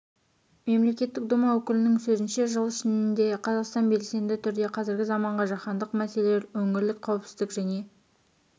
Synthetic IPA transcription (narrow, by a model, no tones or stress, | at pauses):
me̞mle̞kʲe̞t̪ːɪk̚d̪ʊmɑwɵkʲɪlɪnɪŋsɵzɪnʃe̞ʒəlˠɪʃɪnɪnd̪e̞qʰɑzɑqst̪ɑnbe̞lse̞nb̪ɪt̪ʰʏɾd̪e̞qʰɑzɪɾɡʲɪzɑmɑɴʁɑʒɑχɑnd̪əqmæseleleɾwɵŋɪɾlɪkqʰːɑwpsɪzd̪ɪkʒæne̞